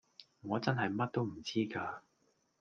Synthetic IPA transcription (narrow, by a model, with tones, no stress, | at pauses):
ŋɔː˨˧t͡sɐ˥nɦɐ˨jmɐ˥t̚t̪o˥wm̩˨˩t͡siː˥kaː˧